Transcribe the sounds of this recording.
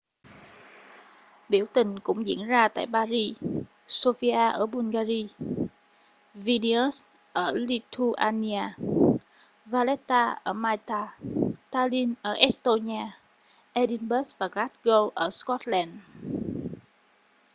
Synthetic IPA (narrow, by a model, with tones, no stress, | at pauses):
ɓi˧˩əwt̪ï˨˩ŋ̟kʊ̰˧˥ŋ͡mzḭ˧˨ənzaː˧t̪a̰ː˧˨jɓaː˧zi˧ | so˧fi˧ʔaː˧ʔəː˧˩ɓu˧nɣaː˧zi˧ | vi˧ni˧ə˦˥s | ʔəː˧˩li˧t̪ʰu˧ʔaː˧ni˧aː˧ | vaː˧lɛ˦˥t̪aː˧ʔəː˧˩maː˧jt̪aː˧t̪aː˧li˧nʔəː˧˩ʔɛ˦˥st̪o˧ɲi˧aː˧ | ʔɛ˧ɗi˧nɓə˦˥svaː˨˩kla˦˥t̚ɣə˧wʔəː˧˩skɔ˦˥t̚lɛː˧˩n